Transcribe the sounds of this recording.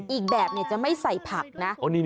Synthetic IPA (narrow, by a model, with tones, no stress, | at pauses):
ʔiː˨˩k̚bɛː˨˩p̚ni˧˩ɐt͡ɕa˨˩ma˥˩jsa˨˩jpʰa˨˩k̚na˦˥a˧niː˦˧